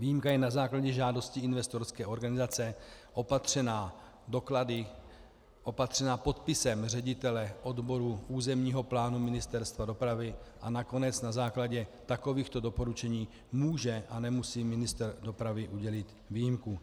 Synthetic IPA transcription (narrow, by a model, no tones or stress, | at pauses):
viːjimkajɛnazaːklaɟɛʒaːdo̞scɪɪnvɛst̪oɾskɛːʔo̞ɾɡanɪzat͡sɛʔo̞pat̪r̝̥ɛnaː | do̞kladɪ | ʔo̞pat̪r̥ɛnaːpo̞t̪pɪsɛmr̝ɛɟɪt̪ɛlɛʔo̞dbo̞ɾuʔuːzɛmɲiːɦo̞plaːnumɪnɪst̪ɛɾst̪vado̞pɾavɪʔanako̞nɛt͡snazaːklaɟɛt̪ako̞viːxt̪o̞do̞po̞ɾut͡ʃɛɲiː | muːʒɛʔanɛmusiːmɪnɪst̪rdo̞pɾavɪʔuɟɛlɪt̪ | viːjɪmku